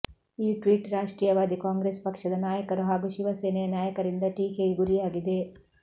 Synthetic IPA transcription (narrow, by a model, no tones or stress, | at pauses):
iːʈʋiːʈɾaːʂʈɾiːjɐʋaːd̪ikaːŋɡɾespɐkʂɐd̪ɐnaːjɐkɐɾuɦaːɡuʃiʋɐseːnɐjɐnjaːjɐkɐɾind̪ɐʈiːkeɡiɡuɾijaːɡid̪e̞